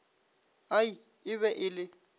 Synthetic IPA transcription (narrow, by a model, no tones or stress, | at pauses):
ai | ɪβɛʔɪlɪ